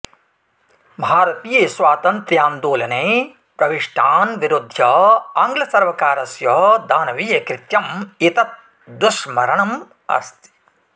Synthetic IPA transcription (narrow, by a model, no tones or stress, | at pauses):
bʱaːɾɐt̪iːjeːsʋaːt̪ɐnt̪ɾjaːmd̪oːlɐneː | pɾɐʋiʂʈʰaːnʋiɾud̪ʱjɐaːŋɡlɐsɐɾʋɐkaːɾɐsjɐɦd̪aːnɐʋijekɾɪt̪jɐmit̪ɐt̪̚ | d̪uʃmɐɾɐɳɐm | ɐ̰st̪i̥